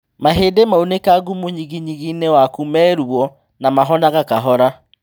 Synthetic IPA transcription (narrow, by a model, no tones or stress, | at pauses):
maɦedemaonekaɣumuɲiɣiɲiɣinɛwakumɛɾuɔ | namaɦɔnaɣakaɦɔɾa